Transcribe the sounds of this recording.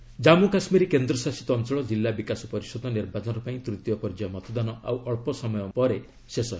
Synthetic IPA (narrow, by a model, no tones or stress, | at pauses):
d͡ʒamukasmiɾikend̪ɾɔsasi̥t̪ɔːnt͡ʃɔɭɔd͡ʒilːabikasɔpɔɾisɔd̪ɔniɾbat͡ʃɔnɾɔpaĩt̪ɾut̪jɔpɔɾd͡ʒajɔmɔt̪ɔd̪anɔa̰wʔɔɭpɔsɔmɔjɔpɔɾe | sesɔ